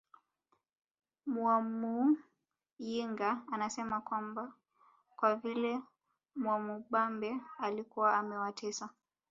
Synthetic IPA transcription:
mwamu | jiŋɡaːnasɛmakwamba | kwavilɛ | mwamuɓambɛalikuwaːmɛwatʰɛsa

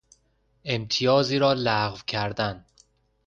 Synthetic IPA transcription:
e̞mt̪ʰijɒːziːɾɒːlæʁvcʰæɾd̪æn

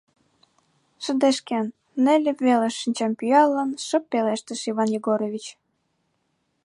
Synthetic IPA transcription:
ʃə̆d̪eʃkenː | ĕlʲĕβeleʃːinʲt͡ɕɑmpyjɑlənʃə̆pːeleʃt̪ĕʃiβɑnjiɣoɾoβʲit͡ɕ

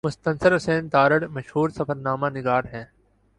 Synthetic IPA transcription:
mʊst̪ɐ̃nsəɾʊsẽːnt̪aːɾəɽmɐʃhuːɾsɐfəɾnaːmanɪɡaːɾɦɛ̃ː

